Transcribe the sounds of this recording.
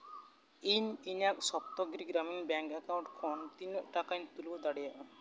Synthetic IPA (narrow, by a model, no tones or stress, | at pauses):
ininak̚sɔp̚t̪ɔɡɾiɡɾaminbɛŋkɛkaw̃ɳʈkʰɔnt̪inʈakajnt̪ulbɔd̪aɽijaʔ